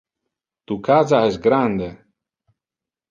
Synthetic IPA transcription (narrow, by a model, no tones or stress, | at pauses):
t̪ukazaɛsɡɾand̪e